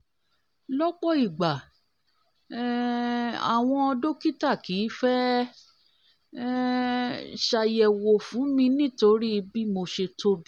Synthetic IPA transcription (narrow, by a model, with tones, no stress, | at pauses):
lɔ˦k͡pɔ˦i˨ɡ͡ba˨ | a̰˨w̃ɔ̃˧ɔ˧do˦ki˦ta˦˨ki˨˦fɛ˦ | ʃa˧jɛ˨wo˨fũ˨˦mĩ˧nĩ˦to˧ɾi˦˧bi˦mo˧ʃe˧to˧d